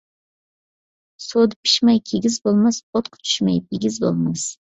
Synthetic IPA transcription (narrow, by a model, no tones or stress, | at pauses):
sod̪ɪpʰɪ̥ʃmajkʲʰeɡʲɪzbolˠmaspʰot̪qʰt̪ʰʊ̥ʃmajpʰɪɡʲɪzbo̰lˠmas